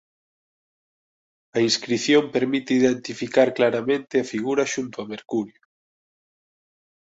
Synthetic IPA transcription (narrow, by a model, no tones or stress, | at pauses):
ɐinskɾiθjompeɾmit̪eiðent̪ifikaɾklaɾɐmẽnt̪ɪɐfiɣuɾɐʃunt̪oɐmeɾkuɾjʊ